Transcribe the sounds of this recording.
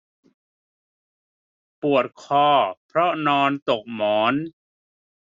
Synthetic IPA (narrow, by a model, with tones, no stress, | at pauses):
pu˨˩ət̪̚kʰɔː˧˩pʰɾɔ˦˥nɔː˧nt̪o˨˩k̚mɔː˩˦n